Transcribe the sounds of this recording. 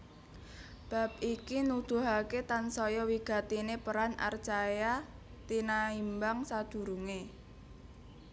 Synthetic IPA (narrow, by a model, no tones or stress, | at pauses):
b̥a̤p̚ikinud̪̥ṳɦaket̪ansɔjɔwiɡ̥a̤t̪inepəɾana̰rt͡ʃaja | t̪inaimbaŋsad̪̥ṳɾuŋe